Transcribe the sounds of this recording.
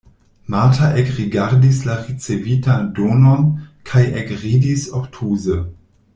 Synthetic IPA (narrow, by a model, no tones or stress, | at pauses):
matʰaʔekʁiɡaʁdislaʁit͡sevitadoːnonkʰajekʁidisoktʰuːzə